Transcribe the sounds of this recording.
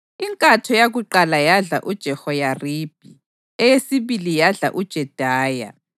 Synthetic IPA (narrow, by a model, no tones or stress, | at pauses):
iŋkʼatʰɔjaɣuǃalajaɮa̰ʔud̥ʒ̥ʱɛhɔjarib̥ʱi | ɛjesiβilijaɮa̰ʔud̥ʒ̥ʱɛd̥ʱaːja̰